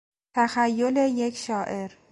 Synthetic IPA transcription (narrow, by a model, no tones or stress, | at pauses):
t̪ʰæxæjːo̞le̞je̞cʰʃɒːʔe̞ɾ